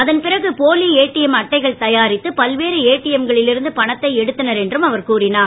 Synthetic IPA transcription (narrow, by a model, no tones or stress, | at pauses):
ɐðɐnpɪrɐɣɯpoːlieːʈːɪjɐmɐʈːɐɪɣɐɭt̪ɐjaːɾɪt̪ːɯpɐlʋeːɾɯeːʈːɪjɐmɡɐɭɪlɪɾɯnd̪ɯpɐɳɐt̪ːɐɪɛɽɯt̪ːɐnɐɾɛndrɯmɐʋɐɾkuːɾɪnaː